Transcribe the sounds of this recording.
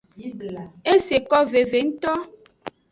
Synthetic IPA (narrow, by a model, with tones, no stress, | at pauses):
e˦se˨kɔ˦ve˨ve˨ŋ̩˦t̪ɔ˦